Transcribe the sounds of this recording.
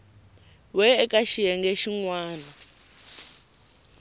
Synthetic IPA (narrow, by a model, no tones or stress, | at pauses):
wɛːkʼaʃiɛŋɡɛʃiŋwaːna